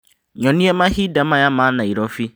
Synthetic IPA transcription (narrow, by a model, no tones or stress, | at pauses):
ɲɔ̃nĩɛmãhidamãjamãnãiɾɔfi